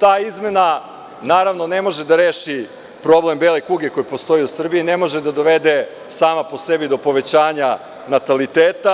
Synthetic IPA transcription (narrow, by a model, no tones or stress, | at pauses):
t̪aːizme̞na | naːɾaʋno̞ne̞mo̞ʒe̞d̪aɾeːʃi | pɾo̞ble̞mbeːlekuɡeko̞jipost̪o̞jiusr̩biine̞mo̞ʒed̪ad̪o̞ʋe̞d̪e̞ | saːmapo̞se̞bid̪o̞po̞ʋe̞t͡ɕaːɲa | nat̪alit̪eːt̪a